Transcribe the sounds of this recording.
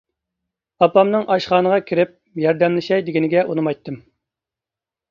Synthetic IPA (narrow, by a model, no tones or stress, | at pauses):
ɑpɑmnɨŋʔɑʃχɑːnəʁɑkʲʰiɾɪp̚ | jɑɾd̪ɛmlˠɪʃɑjd̪ɪɡʲinɪɡʲɛʔunɨmɑjt̪ʰːɨm